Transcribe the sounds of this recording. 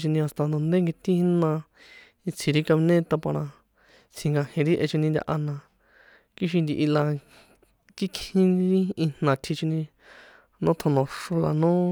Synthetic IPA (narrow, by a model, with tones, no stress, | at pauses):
t͡ʃi˧nĩ˧a˨st̪a˧nd̪õ˨nd̪e˦ŋɡi˧t̪i˦hi˧˦nã˧ | i˧t͡sʰi˧ɾi˦ka˧mi˧nẽ˦t̪a˧pã˧ɾã˧ | t͡sʰĩ˧ŋɡa˧hĩ˧ɾi˦ʔe˧t͡ʃi˧nĩ˧nd̪ʲa̰˧ʔa˧nã˧ | ki˦ʃ̬i˧nd̪i˧˨ʔi˧la˧ | ki˦khĩ˦˧ɾi˦ĩ˧n̥nã˨t̪ʰi˧t͡ʃi˧nĩ˧ | nõ˦t̪ʰõ˧nõ˨ʂu˧la̰˨nõ˦